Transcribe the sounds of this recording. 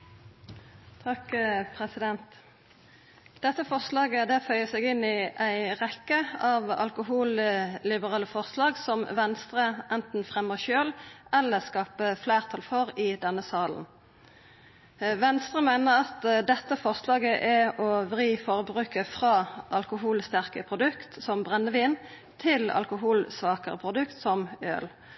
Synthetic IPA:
t̪ʰɑkpʰʁɛsɪd̪ɛnt̪ | d̪̥ɛt̪ːəfɔʁslɑːɡəd̪ɛfœʏəsɛɡɪnɪʔæɪʁɛkːəɑːʋɑ̰lkʊɦuːllɪbəʁɑːləfɔʁslɑːɡsɔmʋɛnst̪ʁəʔɛnt̪n̩fʁɛməʃøːlɛlːəʁskɑːpəfleːʁt̪ʰɑlfɔʁɪd̪ɛnːəsɑːln̩ | ʋɛnst̪ʁəmæɪnəʁɑt̪d̪ɛt̪ːəfɔʁslɑːɡəʔæɔʋʁiːfɔʁəbʁʉːkəfʁɑːʔɑlkʊɦuːlst̪æʁkəpʰʁʊd̪ʉkt̪sɔmbʁɛnːəʋiːn | t̪ʰɪlɑ̰lkʊɦuːlsʋɑːkəʁə̰pʰʁʊd̪ʉkt̪sɔmø̰ːl

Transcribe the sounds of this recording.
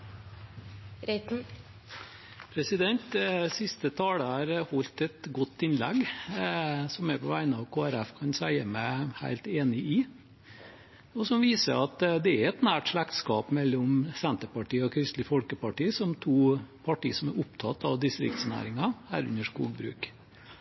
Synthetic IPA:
ɾɛ | pʰɾɛsɪd̪ɛnt̪sɪst̪ət̪ʰɑːləhɑːɾhɔlt̪ɛt̪ɡɔt̪ːɪnlɛɡ | sɔmæpʰɔʋæɪnəɑʋkʰoːæɾæfkʰɑnsæɪəmæɪhæ̰ɪlt̪eːnɪʔɪ | ɔsɔmʋiːsə̰ɾɑt̪d̪ɛæɾɛt̪næːʈʂɭækt̪skɑːpmɛlːɔmsɛnt̪əpɑʈiːəɔkʰɾɪst̪lɪfɔlkəpɑʈiːəsɔmt̪ʰuːpʰɑʈḭːəsɔmæɾʊpt̪ʰɑt̪ːɑʋd̪ɪst̪ɾɪ̰kt̪snæ̰ːɾɪŋɑhæ̰ːɾʉ̰nəʂkṵːɡ̚bɾʉ̰ːk

